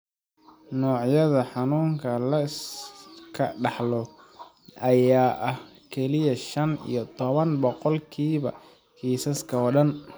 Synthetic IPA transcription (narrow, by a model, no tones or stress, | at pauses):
nɔːʕjɐðɐħɑnuːŋkʰɐlɐskʰɐɖɑħlɔ | ʔɐjaːʔɐh | kʰɛlɪjɐʃɐnḭjɞt̪ʰɔβɐnbɔqɔlkʰiːβɐ̰ | kʰiːsɐskʰɐɔːɖɐn